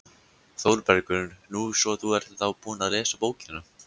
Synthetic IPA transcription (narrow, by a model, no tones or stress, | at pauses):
θowɾpɛɾkʏnnuːsɔθuɛɾ̥t̪θawpuːnaðlɛːsapoːwcɪnːʏ